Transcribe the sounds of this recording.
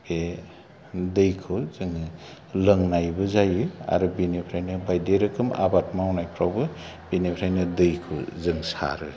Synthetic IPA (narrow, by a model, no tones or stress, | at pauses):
bʰe | dɯjkʰɯzɯŋɯ | lɯŋnajbɯzajɯa̰ɾubinepʰɾajnɯbajdeɾɯkʰɯma̰bat̚mawnajpʰɾawbɯ | b̥inepʰɾajnɯdɯjkʰɯwzɯŋsa̰ɾɯ